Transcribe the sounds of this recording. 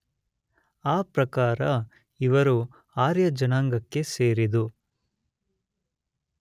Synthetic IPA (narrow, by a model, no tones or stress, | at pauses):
aːpɾɐkaːɾɐ | iʋɐɾu | aːɾjɐd͡ʒɐnaːŋɡɐkːe̞seːɾid̪u